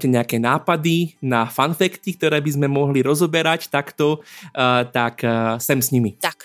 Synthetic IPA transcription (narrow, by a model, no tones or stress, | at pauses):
cɛɲɛakɛːnaːpad̪inafanfɛkt̪ik̚t̪ɔɾɛːbizmɛmɔɦliɾɔzɔbɛɾact̪akt̪ɔ | t̪aksɛmsɲimit̪ak